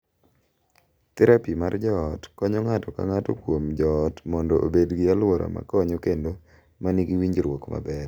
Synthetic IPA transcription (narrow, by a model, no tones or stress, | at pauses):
t̪ɛɾapimard͡ʒɔːtkɔɲɔŋatɔka̰ŋatɔ̰kwomd͡ʒɔːtmɔndɔʔo̰bedɡɪalwɔɾʔa̰ma̰kɔɲokendo | maniɡiwiɲd͡ʒɾwɔkma̰bɛr